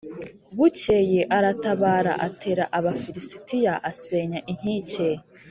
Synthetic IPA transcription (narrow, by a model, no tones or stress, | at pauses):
βucejeʔaɾataβaːɾa̰ʔatʰe̞ːɾaʔaβafiɾisi̥tijaʔaseɲaʔin̥hice